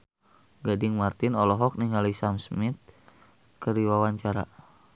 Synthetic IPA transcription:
ɡadiŋmart̪inɔlɔɦɔk̚niŋalisamsmit̪̚ | kəɾiwawaɲt͡ʃaɾa̰

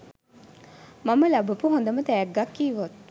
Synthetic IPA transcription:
maməlabəpuɦond̪əmət̪ɛːɡːakːiːʋot̪̚

